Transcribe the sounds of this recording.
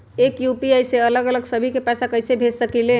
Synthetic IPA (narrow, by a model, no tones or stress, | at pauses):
ekjupiajseələɡələɡsəbʱikepɛsakəjsebʱesəkile